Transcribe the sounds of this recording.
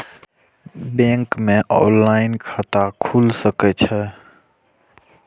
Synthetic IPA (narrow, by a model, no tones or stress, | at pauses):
bẽŋkmẽʔɔːnlaɪnkʰat̪akʰuːlsəkɛt͡ʃʰɛ